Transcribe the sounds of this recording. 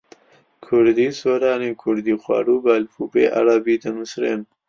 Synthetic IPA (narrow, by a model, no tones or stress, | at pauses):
kʰʊɾd̪iːsoːɾaːnikʰʊɾd̪iːxwɑ̰ːɾuːbalfuːbḛːʔa̰ɾabiːd̪ɐnusɾḛːn